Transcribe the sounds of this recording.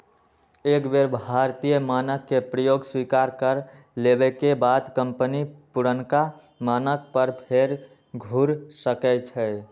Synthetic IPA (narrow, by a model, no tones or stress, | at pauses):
eːkbeɾbʱaɾt̪ijəmanəkːepɾəjoɡswikaɾkəɾ | lebekebad̪kəmpənipuɾənka | manək̚pəɾpʰeɾ | ɡʱuɾsəkɛt͡ʃʰɛ